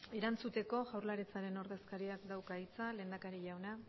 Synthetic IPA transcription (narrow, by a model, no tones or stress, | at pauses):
e̞ɾant͡sut̪e̞ko̞ʝawɾlaɾet͡saɾe̞no̞ɾðe̞skaɾiakd̪awkait͡sale̞ːnd̪akaɾiʝawna